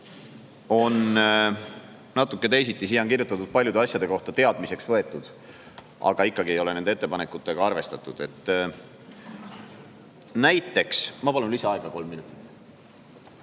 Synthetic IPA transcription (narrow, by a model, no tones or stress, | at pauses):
o̞n | nɑt̪ːˑukːe̞t̪e̞jsit̪ˑːisiːoŋkirjut̪ːˑɑt̪ːud̪̚pɑlʲjud̪e̞ɑsʲjɑd̪̥e̞ko̞ht̪ɑt̪e̞ɑd̪̥mise̞ksvɤ̞e̞t̪ːˑud̪̥ | ɑ̰ɡ̥ɑikːɑɡie̞jo̞le̞nend̪eet̪ːepɑnekːˑut̪ˑːe̞ɡ̥ɑɑrve̞st̪ɑt̪ːˑud̪̥e̞t̪ːˑ | næjt̪ːˑe̞ksmɑpɑlunliseɑeɡ̥ɑko̞lmːinut̪ˑi̥t̪ːˑ